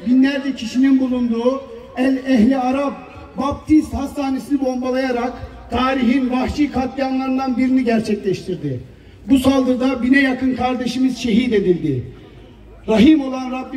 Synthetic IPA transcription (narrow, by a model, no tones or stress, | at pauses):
binlʲæɾd̪ɛcʰiʃininbulˠund̪uː | ɛlɛɦlʲiaɾap̚ | bap̚t̪ʰist̪hast̪ʰaːnesinibo̞mbalˠajaɾakt̪ʰaːɾiɦinbaxt͡ʃikʰat̪lanlˠaɾɯnd̪anbiɾiniɟæɾt͡ʃʰɛclʲɛʃt̪ʰiɾd̪ɪ | busalˠd̪ɯɾd̪abinɛjakʰɯnkʰaɾd̪e̞ʃimizʃe̞ɦiːd̪e̞d̪ilʲd̪ɪ | ɾaɦimo̞lˠanɾabː